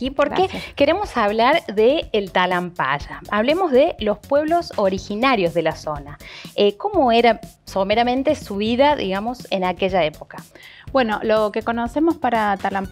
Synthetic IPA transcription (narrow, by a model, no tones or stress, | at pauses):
ipoɾkeke̞ɾemo̞saβ̞laɾðeːlt̪alampa̰ʒaaβlemo̞zðelo̞spwe̞βlo̞soɾixinaɾjo̞zðelaso̞naeko̞mo̞eɾa | someɾamẽ̞nt̪e̞suβiðaðḭɣamo̞senake̞ʒae̞pokabwe̞no̞lo̞keko̞nosemospaɾat̪alam